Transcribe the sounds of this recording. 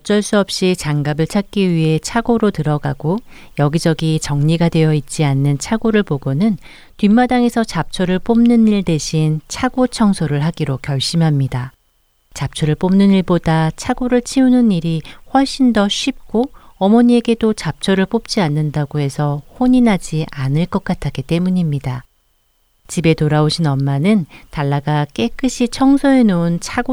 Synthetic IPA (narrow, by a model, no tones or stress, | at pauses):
ʌt͡ɕ͈ʌɭs͈uʌp̚ɕ͈it͡ɕaŋɡabɯɭt͡ɕʰak̚k͈iɥiɦe̞t͡ɕʰaɡoɾotɯɾʌɡa̰ɡo | jʌɡid͡ʑʌɡit͡ɕʌŋɲiɡadwe̞jʌit̚t͡ɕ͈ianːɯnt͡ɕʰaɡoɾɯɭpoɡonɯn | tɥimːadaŋe̞sʰʌt͡ɕap̚t͡ɕʰʌɾɯɭp͈omnɯniɭdeɕʰint͡ɕʰaɡ̥ot͡ɕʰʌŋsʰoɾɯɭɦaɡiɾokjʌɭɕ͈imɦamɲida | t͡ɕap̚t͡ɕʰʌɾɯɭp͈omnɯniɭbodat͡ɕʰaɡoɾɯɭt͡ɕʰiunɯniɾihwʌɭɕ͈indʌɕʰɥip̚k͈oʌmʌɲie̞ɡe̞dot͡ɕap̚t͡ɕʰʌɾɯɭp͈op̚t͡ɕ͈ianːɯndaɡoɦe̞sʰʌɸoɲinɦad͡ʑiʔanɯɭk͈ʌk̚k͈atʰak͈it͈e̞muɲimɲida | t͡ɕibe̞toɾaoɕʰinʌmːanɯntaɭːaɡak͈e̞k͈ʰɯɕʰit͡ɕʰʌŋsʰoe̞nount͡ɕʰaɡo